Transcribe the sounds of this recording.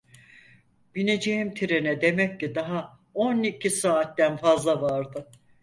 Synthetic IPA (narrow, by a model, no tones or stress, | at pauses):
b̥ine̞d͡ʒejimt̪ʰiɾenɛd̪e̞mɛc̚ːid̪aɦa | onicʰisaːt̪d̪ænfazlˠavaɾd̪ɯ